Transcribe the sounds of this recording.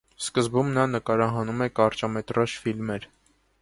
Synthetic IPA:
skəzbumnɑnəkɑɾɑɦɑnumɛkɑɾt͡ʃɑmɛt̪rɑʃfilmɛɾ

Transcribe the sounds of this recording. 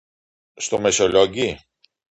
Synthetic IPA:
st̪omesoloɟi

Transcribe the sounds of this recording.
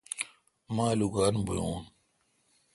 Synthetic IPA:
maːluɡaːnbujoːn

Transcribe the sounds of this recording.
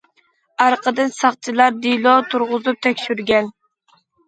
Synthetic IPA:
ɑɾqʰəd̪ɨnsɑχt͡ʃʰilˠɑɾd̪ilˠɔt̪ʰuɾʁʊzup̚t̪ʰɛkʲʃyɾɡʲɛn

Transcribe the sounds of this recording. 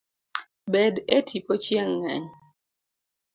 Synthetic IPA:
bɛdetʰipot͡ʃjeŋːɛ̰ɲ

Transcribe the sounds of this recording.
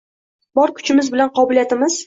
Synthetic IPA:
bɒɾkʰʊ̥t͡ʃʰɪmɪzbɪlanqʰɒbɪlijat̪ɪmɪz

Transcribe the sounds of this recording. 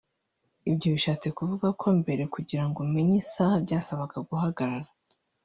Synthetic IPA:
ibɟoβiʃaːt͡se̞kuvuɡakʰo̞mbe̞ɾe̞kuɟiɾaŋɡomeɲisahabɟaːsaβakaɡuhaɡaɾaɾa

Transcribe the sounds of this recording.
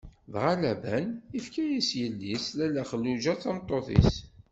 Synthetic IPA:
ðʁalæbænifkæjisjəlːislælæχəlːuʒæt͡sæmt̪ˤːoθḭs

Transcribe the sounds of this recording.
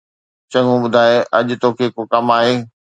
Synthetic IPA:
t͡ɕɐ̃ŋɡũɓʊd̪ʱaːeʔɐʄt̪oːkʰekokɐmaːɦeː

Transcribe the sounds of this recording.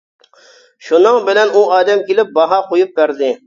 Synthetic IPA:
ʃunɨŋbɪlɛnuɑːd̪ɛmkʲelɪp̚bɑɦɑqʰojup̚bæɾd̪ɪ

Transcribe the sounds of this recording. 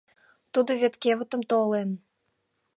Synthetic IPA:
t̪ud̪ŏβʲet̪keβə̆t̪ə̆mt̪olen

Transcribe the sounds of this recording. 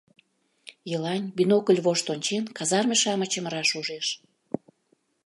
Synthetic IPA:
jəlɑnʲbinokəlʲβoʃt̪onʲt͡ɕenkɑzɑrmeʃɑmət͡ɕəməɾɑʃuʒeʃ

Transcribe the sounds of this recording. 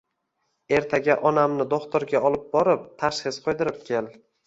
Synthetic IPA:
e̞ɾt̪ʰaɡʲaʔɒnamnɪd̪oχt̪oɾɡʲaɒlˠɪp̚bɒɾɪp̚t̪ʰaʃχɨsqʰojd̪ɪɾɪp̚kʲʰe̞l

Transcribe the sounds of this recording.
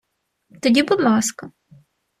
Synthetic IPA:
t̪ɔdʲibʊd̪lˠɑskɐ

